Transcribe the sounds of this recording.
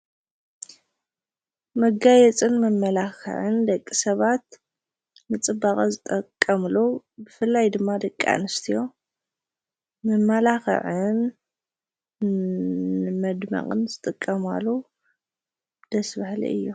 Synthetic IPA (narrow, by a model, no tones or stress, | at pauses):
mɐɡajɛt͡sʼɨnmɐmːɐlaxɨ̰ʕɨnd̪ɐkʼːisɐβat̪̚ | nɨt͡sʼɨbaχʼɐzɨt̪ʼɐkʼːɐmlo | bɨfɨlːajd̪ɨmːad̪ɐkʼːa̰nɨst̪ʰijo̞ | mɨmːɐlaxɨ̰ʕɨn | mɐd̪mɐ̰qʼɨnzɨt̪ʼɨkʼːɐma̰lːo | d̪̥ɐsbahlḭʔɨ̰jːu